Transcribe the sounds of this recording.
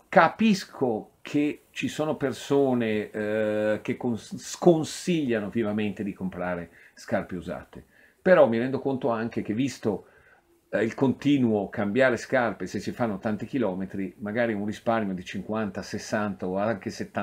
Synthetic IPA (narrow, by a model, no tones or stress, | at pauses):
kapiskʰokʰet͡ʃisoːnopersoːne | k̟ekːoskonsiʎːanovjɛvament̪ed̪ikompɾaːɾeskarpeuza̰ːt̪e | peɾɔmːiɾɛnd̪okont̪oaŋk̟ek̟evːist̪o | ilkont̪iːnuokambjaːɾeskarpesesifanːot̪ant̪ik̟ilɔːmet̪ɾimaɡaːɾiunrisparmjod̪it͡ʃiŋkwant̪asesːant̪aoaŋkeset̪ːa